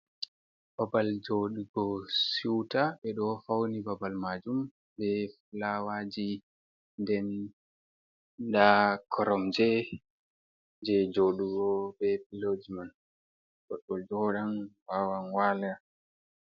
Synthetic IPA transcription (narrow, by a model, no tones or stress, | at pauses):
b̥abald͡ʒoɗuɡɔsiwtaɓɛɗɔfawnibabalmad͡ʒum | bɛflawad͡ʒi | ndɛn | dakʰɔɾɔmd͡ʒɛ | d͡ʒɛd͡ʒoɗuɡɔbɛbilod͡ʒiman | ɗɔɗɔd͡ʒɔɗanwawanwala